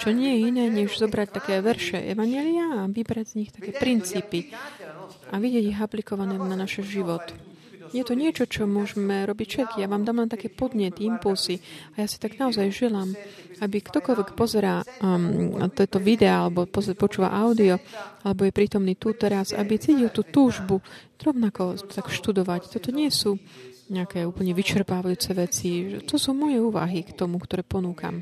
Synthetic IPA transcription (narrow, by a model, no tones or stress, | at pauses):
t͡ʃɔɲɪɛjɛinɛːɲɛʒzɔbɾact̪akɛːʋɛɾʃɛʔɛ̰ʋaɲɛliaːʋibɾaɟz̥ɲixt̪akɛːpɾint͡siːpi | ʔaʋiɟɪɛɟiɣaplikɔʋanɛːnanaʃɛʒiʋɔt̪ | jɛt̪ɔɲɪɛt͡ʃɔt͡ʃɔmʊɔʒɛmɛɾɔbicfʃɛt̪kijaʋaːmd̪aːmlɛnt̪akɛːpɔd̪ɲɛt̪iimpulziajaːsi̥t̪aɡnaɔzajʒɛlaːm | abikt̪ɔkɔlʋɛkpɔzɛɾaː | t̪ɔɛt̪ɔʋid̪ɛaalɛbɔpɔzpɔt͡ʃuːʋa̰ʔaʊd̪iɔalɛbɔjɛpɾiːt̪ɔmniːt̪ut̪ɛɾaza̰bit͡siːcilt̪uːt̪uːʒbu | ɾɔʊnakɔt̪akʃt̪ud̪ɔʋact̪ɔt̪ɔɲɪɛsuːɲɛakɛːuːpl̩ɲɛʋit͡ʃɛɾpaːʋajuːt͡sɛʋɛt͡siʒɛ̰t̪ɔsuːmɔjɛuːʋa̰ɦikt̪ɔmukt̪ɔɾɛːpɔnuːka̰m